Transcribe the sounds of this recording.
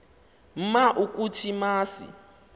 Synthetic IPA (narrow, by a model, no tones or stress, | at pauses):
m̩maʔuk̬ʼutʰimaːsḭ